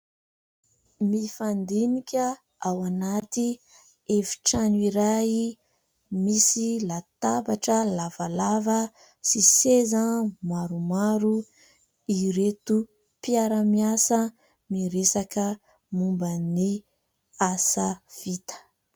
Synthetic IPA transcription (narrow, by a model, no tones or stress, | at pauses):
mifand̪inikʲə | awanat̪i | efi̥ʈ͡ʂaniɾai | misilat̪abaʈ͡ʂəlavalavə | sisezamaɾumaɾu | iɾet̪u | piaɾamiasə | miɾesakə | mumbəni | asav̥it̪ə̥